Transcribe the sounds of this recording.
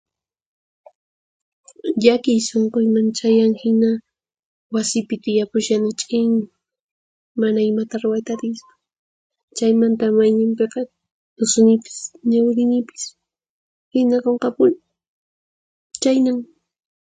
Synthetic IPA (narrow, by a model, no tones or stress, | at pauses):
ʎakɪjsoɴqojmant͡ʃajaŋhɪna | wasɪpɪt̪ɪjapʊʃanɪt͡ʃʼɪjnɪ | manaɪmat̪aɾʊwajt̪aɾɪsʊ̥ | t͡ʃajmant̪amajɲɪmpeqɑ | ʊsʊnɪpɪ̥sɲawɾɪnɪpɪ̥s | hɪnakoɴqɑpʊnɪ | t͡ʃajnaŋ